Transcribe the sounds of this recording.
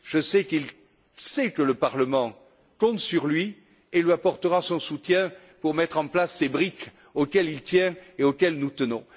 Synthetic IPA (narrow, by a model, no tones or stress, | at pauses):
ʒəsɛkil | sɛkələpaʁləmɑ̃ | kɔ̃t̪syʁlɥi | elɥiapɔʁt̪əʁasɔ̃sut̪jɛ̃ | puʁmɛt̪χɑ̃plasːebʁik | okɛlilt̪jɛ̃eokɛlnut̪ənɔ̰̃